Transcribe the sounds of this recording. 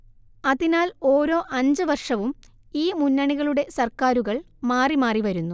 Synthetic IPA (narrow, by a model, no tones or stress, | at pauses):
ɐðinaːlo̞ːɾo̞ːʔɐɲd͡ʑɨʋɐrʂɐʋum | iːmunːɐɳiɣɐɭuɽe̞sɐrkaːɾuɣɐɭ | maːrimaːriʋɐɾunːu